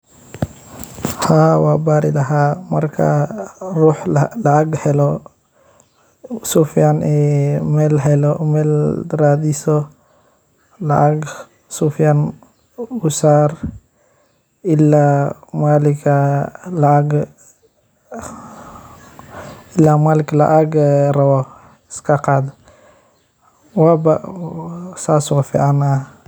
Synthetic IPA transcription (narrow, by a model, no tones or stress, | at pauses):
haːwaːbaːɾɪlɐɦaːmɐrkʰɐ̰ruːħlɐaɡhɛlɔ | sufijanɛːmɛːlɦɛlɔmɛːlɾaːd̪isɔ | lɐʔaɡ | sufjan | usaːr | ɪlːamaːlɪkʰalaaɡ | ɪlːaːmaːlɪklɐ̰ʔaɡrɐwɔ | ɪskʰaqaːd̪ɔ | waːba̰ | saːsʊwafḭʕana